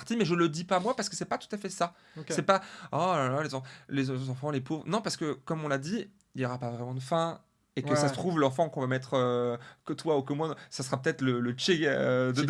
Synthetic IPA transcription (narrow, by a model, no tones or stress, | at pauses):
ʁt̪imɛʒələd̪ipamwapaʁsəkə̥sɛpat̪u̥t̪afɛsa | sɛpaɔlalalezɑ̃flezzɑ̃fɑ̃lepovʁnɔ̃paʁsə̥kəkɔmɔ̃lad̪i | iljɔʁapavʁɛmɑ̃d̪əfɛ̃ | ekəsasət̪χuvlɑ̃fɑ̃kɔ̃vamɛt̪χøkt̪waukəmwãsasəʁapə̥t̪ɛt̪χlələt͡ʃed̪ə